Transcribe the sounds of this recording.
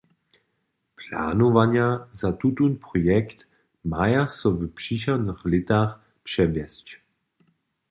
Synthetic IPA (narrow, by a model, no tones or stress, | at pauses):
pla̰ːnovaɲjazat̪ut̪unpʁɔjɛkt̪ | maːjasɔvpʂiːxad̪nəxlɪt̪aːx | pʂɛvjɛsc